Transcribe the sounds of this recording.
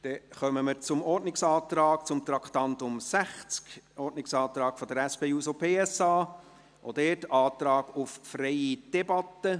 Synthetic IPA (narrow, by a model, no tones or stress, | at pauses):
d̥ɛχœməməɾt͡sʊmɔɾtnɪksɑːt̪ɾɑːk̚t͡sʊmt̪ɾɑkʰt̪ɑnt̪ʊmsæχt͡skɔɾdnɪksɑːt̪ɾɑːɡ̥fɔd̪əɾæspeːuːsopʰeːɛsɑː | ʔod̥ɛːtɑːt̪ɾɑːɡ̥uffɾɛɪid̥ɛbɑt̪ːə